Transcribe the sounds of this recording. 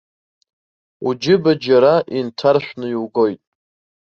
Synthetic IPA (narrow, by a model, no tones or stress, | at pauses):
ud͡ʒɪbad͡ʒaɾaʔintʰarʃᶣʷnɨiwɡo̞jtʼ